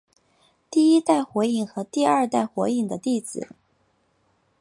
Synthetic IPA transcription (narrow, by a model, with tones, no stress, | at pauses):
t̪i˥˩i˥t̪a˥˩ɪxwe˧˥ɪi˥˩ŋxɤ˧˥t̪i˥˧ɐ˞˥˧t̪a˥˩ɪxwɛ˧˥ɪi˥˩ŋd̪ə˩t̪i˥˩t͡sɹ̩˨˩˦